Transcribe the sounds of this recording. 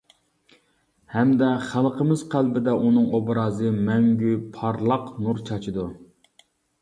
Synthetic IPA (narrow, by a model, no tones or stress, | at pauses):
hɛmd̪ɛχælˠqəmɪzqʰælbɪd̪ɛʔunɨŋobɾɑːzɨmɛŋɡʲypʰɑɾlˠɑqnuɾt͡ʃʰɑt͡ʃʰɨd̪u